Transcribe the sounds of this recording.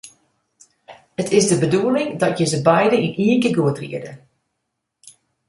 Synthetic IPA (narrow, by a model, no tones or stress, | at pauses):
ətʰɪzdəbəduəlɪŋdɔtjəzəbɛjdəiniəkəɡuətrḭədə